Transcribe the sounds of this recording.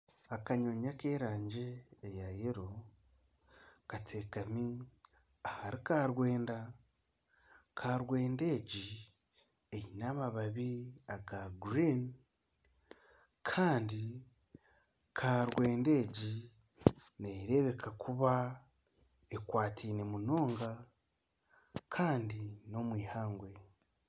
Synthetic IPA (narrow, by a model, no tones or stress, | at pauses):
akaɲoɲakeːɾaːɲɟe̞ːjajeɾo | katʰe̞ːkami | ahaɾikaːɾwe̞ːnda | kʰaːɾwe̞ːnde̞ːɟi | ejinamaβaβiaɡaɡɾin | kʰaːndi | kʰaɾwe̞ːnde̞ːɟi | neɾe̞βe̞kʰakʰuβa | e̞kwaːtʰiːne̞muno̞ːŋɡa | kʰaːndino̞mwiːhaːŋɡwe̞